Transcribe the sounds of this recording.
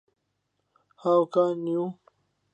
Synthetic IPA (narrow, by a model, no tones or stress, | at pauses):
hawkaniũ